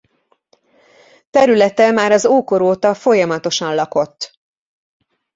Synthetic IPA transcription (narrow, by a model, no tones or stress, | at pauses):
t̪ɛɾylɛt̪ɛmaːɾɒzoːkoɾoːt̪ɒfo̞jɒmɒt̪o̞ʃɒnlɒko̞t̪ː